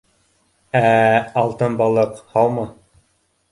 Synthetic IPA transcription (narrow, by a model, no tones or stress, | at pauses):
æɑlˠt̪ɤnbɑlˠɤqhɑwmɑ